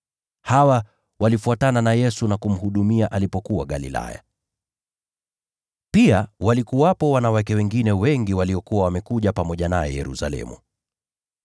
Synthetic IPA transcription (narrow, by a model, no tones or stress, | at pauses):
hawa | walifuatananajɛsunakum̩huɗumiaʔalipɔkuwaɠalḭla̰ja̰ | piawalikuwapɔwanawakɛwɛŋɡinɛwɛŋɡiwaliɔkuwawamɛkuʄapamɔʄanajɛ̰jɛ̰ɾṵsa̰lɛ̰mṵ